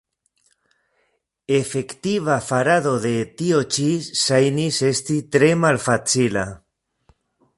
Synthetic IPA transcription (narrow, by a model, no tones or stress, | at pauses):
efe̞kt̪iβafaɾaðo̞ðe̞t̪io̞t͡ʃisajnise̞st̪it̪ɾe̞malfat͡sila̰